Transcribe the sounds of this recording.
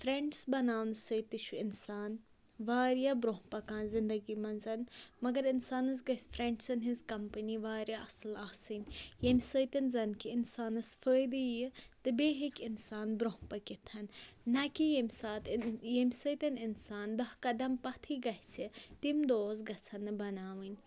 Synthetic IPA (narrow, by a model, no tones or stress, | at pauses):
fɾeɳɖsbɐnaːwnsəjt̪iʃʰuɪnsaːn | ʋaːɾjabɾoɦpɐkãːnzɪnd̪ɐɡimɐnzɐnmɐɡɐɾɪnsaːnɐsɡɐsfɾẽɳɖsɐnɦizkɐmpɐniʋaːɾjaʔɐsɨlaːsiːnjemsəjt̪ɐnzɐnkiɪnsaːnɐsfʰəːjd̪ijɨt̪ɨbeːɦikʲɪnsaːnbɾoɦpɐkit̪ʰɐnːɐkijemʲsaːt̪jemʲsəjt̪ɐnɪnsaːnd̪ɐhkɐd̪ɐmpɐt̪ʰiɡɐt͡sʰit̪imd̪oːzɡɐt͡sʰɐnːɨbɐnaːʋɨnʲ